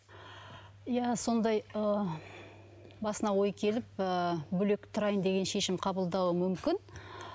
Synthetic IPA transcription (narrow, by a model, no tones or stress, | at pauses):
jæso̞nd̪ɑjə | bɑsənɑwo̞jkʲʰe̞lɪp̚əbʏle̞kt̪ʰʊɾɑjənd̪e̞ɡʲe̞nʃe̞ʃɪmqʰɑbəlˠd̪ɑwəmʏmkʲɪn